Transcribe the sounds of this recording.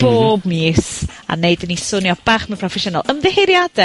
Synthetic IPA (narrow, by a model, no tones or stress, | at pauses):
b̥oːbmiːsa̰neɨjdənisʊnjɔb̥aːχmɪpʰrɔfɛʃʊna̰lˠəmðɪheɾjadɛ